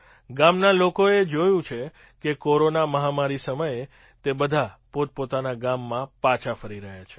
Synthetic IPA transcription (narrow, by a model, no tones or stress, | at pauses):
ɡamnalokoed͡ʒojũt͡ʃʰe | kekoɾonaməɦamaɾisəməje | t̪ebəd̪ʱapot̪̚pot̪anaɡamːãpãt͡ʃʰafəɾiɾəɦjat͡ʃʰe̥